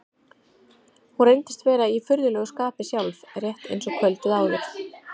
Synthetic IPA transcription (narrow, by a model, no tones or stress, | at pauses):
hurejnt̪ɪst̪vɛːɾaifʏɾðʏlœːɣʏskaːpɪsjawlvrjɛht̪ḛjnsɔkʰœlt̪ɪðaːwvɛɾθ